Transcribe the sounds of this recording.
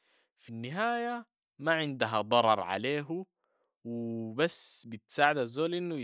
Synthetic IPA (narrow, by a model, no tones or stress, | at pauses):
finːɪɦaːja | maʕɪnd̪aɦad̪ˤɑɾˤɑɾˤʕa̰leːɦu | wɪbasːbɪt̪saːʕɪd̪azːoːlʔinːu